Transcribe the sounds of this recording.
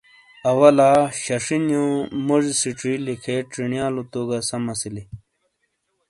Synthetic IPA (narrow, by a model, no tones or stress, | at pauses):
ɐwɐlaːɕɐʂinjõːmoʐsiʈ͡ʂilikʰeʈ͡ʂiɳjaːlot̪oːɡasɐmɐsili